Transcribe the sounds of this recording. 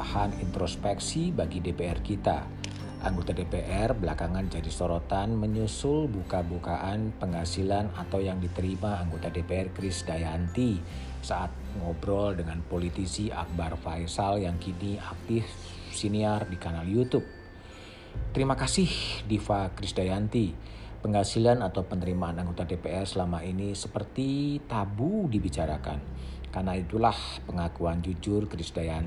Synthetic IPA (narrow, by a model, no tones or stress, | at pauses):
hanint̪ɾospɛksibaɡidepeɛrkit̪a̰ | ʔa̰ŋɡot̪adepeʔɛrbəlakaŋand͡ʒadisoɾot̪anməɲusʊlbukabukaʔanpəŋasilanat̪awjaŋdit̪əɾimaːŋɡot̪adepeɛrkɾɪsdajant̪i | saʔat̪̚ŋɔbɾɔldəŋanpolit̪isiʔa̰k̚barfajsaljaŋkiniak̚t̪ɪf | siniardikanaljut̪up̚ | t̪əɾimakasɪhdifakɾisdajant̪i | pəŋɦasilanat̪awpənəɾimaːnaŋɡot̪adepeɛrsəlamainisəpərt̪it̪abudibit͡ʃaɾakan | karnait̪ulahpəŋakuand͡ʒud͡ʒʊrkɾisdaja